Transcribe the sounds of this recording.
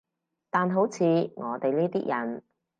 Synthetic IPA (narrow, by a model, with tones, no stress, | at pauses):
t̪aː˨nɦo˨˥wt͡sʰiː˨˧ŋɔː˨˧t̪e˨jliː˥t̪iː˥jɐ˨˩n